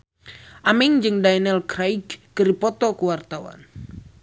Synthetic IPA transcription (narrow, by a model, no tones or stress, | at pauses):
ʔamɪŋd͡ʒɨŋdajnɛlkɾaiɡː | əripɔt̪ɔkəwart̪awa̰n